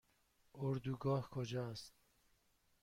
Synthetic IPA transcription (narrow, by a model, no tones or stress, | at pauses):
oɾd̪uɡɒːhkʰod͡ʒɑst̪̚